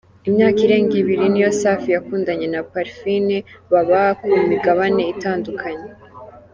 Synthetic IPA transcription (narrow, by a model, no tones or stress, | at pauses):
imɲaːkiɾe̞ːŋɡiβiɾinijo̞saːfijakuːndaɲe̞napaɾfineβaβakumiɡaβane̞itaːndukʰaɲe̞